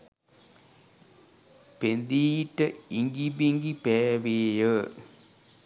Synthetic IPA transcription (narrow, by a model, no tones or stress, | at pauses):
pend̪iːʈːəiŋɡibiŋɡipɛːʋeːjə